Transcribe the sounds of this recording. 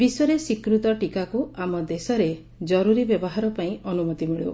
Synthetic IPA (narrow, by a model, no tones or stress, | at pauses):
bisɔɾesikɾut̪ɔʈikakuamɔd̪esɔɾe | d͡ʒɔɾuɾibjɔbɔɦaɾɔpaĩɔnumɔt̪imiɭo̰